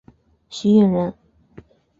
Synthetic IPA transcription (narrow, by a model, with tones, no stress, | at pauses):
ɕi˥jɛ˥˩nɻə˧˥n